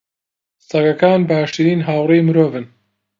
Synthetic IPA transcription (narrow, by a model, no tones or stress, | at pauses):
st̪ɐɡɐkaːnbaːʃtiɾiːnɦaːwrijmɨɾoːvɨn